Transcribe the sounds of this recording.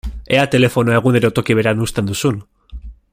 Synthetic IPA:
e̞at̪e̞le̞fo̞noe̞ɣ̞uneɾot̪o̞kiβ̞e̞ɾanust̪e̞nd̪usun

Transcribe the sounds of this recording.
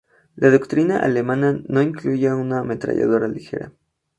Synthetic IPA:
laðo̞kt̪ɾinaʔa̰le̞mãnano̞iŋkluʝeuname̞t̪ɾa̰ʝa̰ð̞o̞ɾalixe̞̰ɾa̰

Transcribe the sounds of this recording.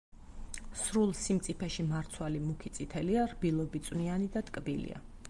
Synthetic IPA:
sɾulˠsimt̪sʼipʰɛʃimaɾt̪sʰwalimukʰit̪sʼit̪ʰɛliaɾbilˠɔbit̪sʼwnianid̪at̪ʼkʼbilḭa̰

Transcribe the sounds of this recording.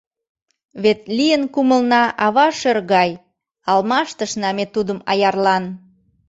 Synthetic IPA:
βet̪lijənkuməlnɑʔɑβɑʃerɣɑj | ɑlmɑʃt̪əʃnɑmet̪ud̪əmɑ̰jɑrlɑn

